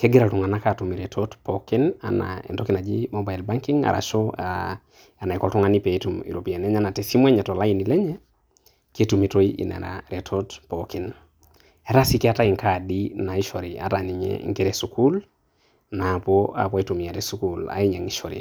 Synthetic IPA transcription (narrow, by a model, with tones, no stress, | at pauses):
ke˦ɡi˦ɾa˨tu˨ŋa˨na˦katu˨mi˨ɾetʰotpoki˦na̰˨na̰ḛ˨ndɔki˦na˨d͡ʒi˦moba˨ilba˦ŋki˦ŋa̰˨ɾʔa̰˨ʃo˦ | a˨na˨i˨kɔ˨tɔ˦ŋa˦ni˦pe˨i˦tumḭ˨ɾopi˨a˨nɛ˦ɲa˦na˨te˨si˦mwɛ˦ɲɛ˨to˨la˦ini˨lɛ˦ɲɛ˦ | ke˦tu˨mi˨to˦iḭ˨nḛ˨ɾa̰ɾe˨tʰotpoki˦n | e˦ɾa˦si˦ki˦a˦ta˦i˨ŋka˨di˦na˨i˦ʃɔ˨ɾi˨a̰˨tani˨ɲɛ̰ŋɡe˦ɾesuku˦l | na˨poa̰˨pwitu˨mia˨ɾesu˦kula̰˨i˦ɲa˨ŋi˦ʃo˨ɾḭ˨